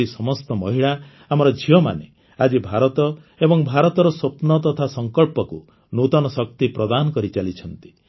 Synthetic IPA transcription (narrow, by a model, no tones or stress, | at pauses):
isɔmɔst̪ɔmɔɦiɭaː | mɔɾɔd͡ʒʱiɔma̰ne | ad͡ʒibʱaɾɔt̪ɔ | ebɔŋbʱaɾɔt̪ɔɾɔsopnɔt̪ɔt̪ʰasɔŋkɔɭpɔku | nut̪ɔnɔsɔk̚t̪ipɾɔd̪anɔkɔɾit͡ʃalit͡ʃʰɔnt̪i̥